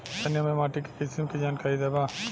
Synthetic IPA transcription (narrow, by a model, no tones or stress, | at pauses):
t̪ɐnjəmẽmaːʈikekɪsɪmkid͡ʒaːnkaːɾid̪ebaː